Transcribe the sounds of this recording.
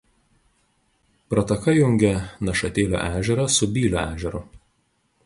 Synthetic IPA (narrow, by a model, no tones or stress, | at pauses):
pɾɐt̪ɐkɐjʊŋʲɡʲɛnɐʃɐt̪ʲeːlʲo̰ːʔæːʒʲɛɾɐˑsʊbʲiːlʲoæːʒʲɛɾʊ